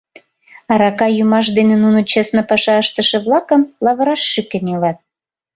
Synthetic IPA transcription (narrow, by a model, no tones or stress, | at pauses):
ɑɾɑkɑjumɑʃ̬d̪enĕnunot͡ɕesnəpɑʃɑəʃt̪əʃĕβlɑkəmlɑβə̆ɾɑʃːykenilɑt̪̚